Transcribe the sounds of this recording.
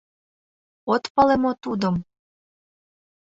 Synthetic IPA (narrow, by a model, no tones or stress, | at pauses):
ot̪pɑlemot̪ud̪əm